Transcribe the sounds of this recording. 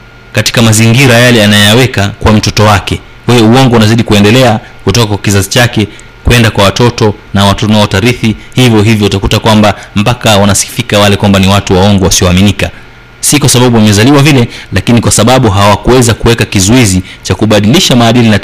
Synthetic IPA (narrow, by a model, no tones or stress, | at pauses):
kati̥kamaziŋɡiɾajalɛanaɛjawɛkakuwam̩tɔtɔwakɛ | wɛɛuɔŋɡɔunaziɗikuɛndɛlɛa | kutɔkakwakizazit͡ʃakɛ | kwɛndakwawatɔtɔnawatɔtɔnaɔtaɾiθihivjɔɦivjɔutakutakwambam̩pakawanasi̥fikawalɛkwambaniwatuwaɔŋɡɔwasiɔaminika | sikwasaɓaɓuwamɛzaliwavilɛlakinikwasaɓaɓuɦawakuwɛzakuwɛkakizɔizit͡ʃakuɓaɗiliʃamaːɗilina